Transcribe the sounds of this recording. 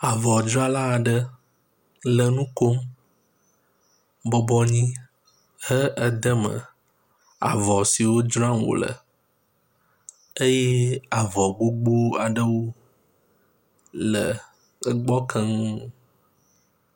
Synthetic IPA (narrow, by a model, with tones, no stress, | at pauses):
a˨vɔ˨d͡ʒɔ˦a˦la˦˨ɖə˦ | lə˨nũ˦ko˦m | bɔ˦bɔ˦ɲĩ˦ | hə˦ʔə˦d̪ə˦mə̰̃˨ | a̰˨vɔ˨si˨wo˦d͡ʒɾã˦˨wo̰˨lə̰˨ | e˦je˦a˨vɔ˨ɡ͡bo˦ɡ͡bo˦a˨ɖə˦wo˦ | lə˨ | ə˦ɡ͡bɔ˦kʰə˦ŋ˦